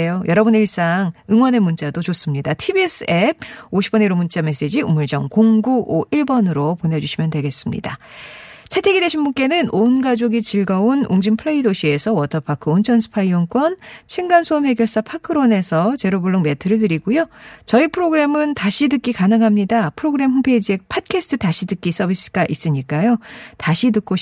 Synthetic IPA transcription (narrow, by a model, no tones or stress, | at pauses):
jojʌɾʌbuniɭs͈aŋɯŋwʌne̞munt͡ɕ͈adot͡ɕos͈ɯmɲidatʰibies͈ʰɯe̞b̚oɕʰi̥p͈ʌniɾomunt͡ɕ͈ame̞s͈e̞d͡ʑiumuɭd͡ʑʌŋkoŋɡuʔoiɭbʌnɯɾopone̞d͡ʑuɕʰimjʌndwe̞ɡe̞s͈ɯmɲḭda | t͡ɕʰe̞tʰe̞ɡidwe̞ɕʰinmbunk͈e̞nɯnʔonɡad͡ʑoɡit͡ɕiɭɡaonuŋd͡ʑimpʰɯɭeidoɕʰie̞sʰʌwʌtʰʌpʰakʰɯont͡ɕʰʌnsʰɯ̥pʰaiʌŋk͈wʌnt͡ɕʰiŋɡansʰomhe̞ɡjʌɭs͈apʰakʰɯɾone̞sʰʌt͡ɕe̞ɾobuɭːoŋme̞tʰɯɾɯɭt̬ɯɾiɡujot͡ɕʌipʰɯɾoɡɯɾe̞mɯntaɕʰidɯk͈ikanɯŋɦamɲidapʰɯɾoɡɯɾe̞mɦoŋpʰe̞id͡ʑie̞pʰat̚kʰesʰɯ̥tʰɯtaɕʰidɯk͈is͈ʌbis͈ɯ̥ɡ̥aʔis͈ɯɲik͈ajotaɕʰit̬ɯk͈o